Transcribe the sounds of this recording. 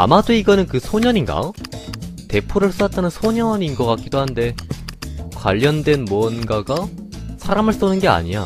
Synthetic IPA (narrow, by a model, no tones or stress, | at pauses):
a̰madoiɡʌnɯnkɯsʰoɲʌɲinɡa̰ | te̞pʰoɾɯɭs͈ʰat̚t͈anɯnsʰoɲʌɲinɡʌk͈ak͈̚idoɦande̞ | kwa̰ʎːʌndwe̞nmuʌnɡaɡasʰaɾamɯɭs͈onɯnɡe̞a̰ɲia̰